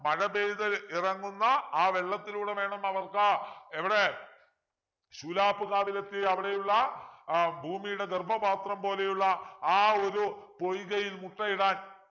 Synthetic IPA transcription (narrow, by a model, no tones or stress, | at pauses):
mɐɻɐbeːðɐirɐŋːunːɐaːʋe̞ɭːɐt̪ːiluːɽe̞ʋe̞ːɳɐmɐʋɐrkɨeʋiɽe̞ | ɕuːlaːpːuɣaːʋile̞t̪ːiɐʋiɽe̞juɭːɐ | bʱuːmijuɽe̞ɡ̪erbʱɐbaːt̪rɐmpo̞ːle̞juɭːɐaːo̞ɾupo̞jɣɐjilmuʈːɐjiɽaːn